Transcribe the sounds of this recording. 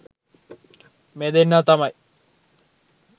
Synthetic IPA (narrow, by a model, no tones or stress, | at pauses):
med̪enːaːt̪ɐmɐj